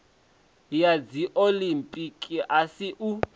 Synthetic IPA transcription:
jad͡ziʔolimpʼikʼiʔasiʔu

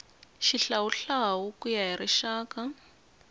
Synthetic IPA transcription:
ʃiɬawuɬawukujajiriʃaːka

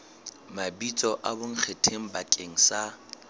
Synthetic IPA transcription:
mabit͡sʼɔʔabʊŋ̩k͡xʰetʰeŋ̩bakʼeŋ̩sa

